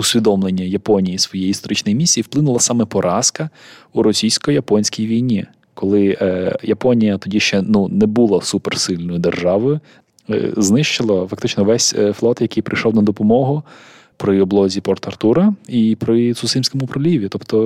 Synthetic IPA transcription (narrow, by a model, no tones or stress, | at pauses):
ʊsʲʋʲid̪ɔmlˠenʲːɐjɐpɔnʲijisʋɔjɛjiist̪ɔɾɪt͡ʃnɔjmʲisʲːijiwplˠɪnʊlˠɐsɑmɛpɔɾʔɑskɐuɾɔsʲijsʲkɔjɐpɔnʲsʲkʲijʋʲijnʲi | kɔlˠɪjɐpɔnʲijɐt̪ɔdʲiʃt͡ʃɛnunɛbulˠɐsupersɪlʲnɔjʊd̪erʒɑʋʊʊ̰ | znɪʃt͡ʃɪlˠɐfɐk̚t̪ɪt͡ʃnɔʋɛsʲflˠɔt̪jɐkijpɾɪjʃɔwnɐd̪ɔpɔmɔɦʊ | pɾɪɔblˠɔzʲipɔrt̪ɐrt̪uɾɐipɾɪt̪sʊsɪmʲsʲkɔmʊpɾɔlʲiʋʲit̪ɔpt̪ɔ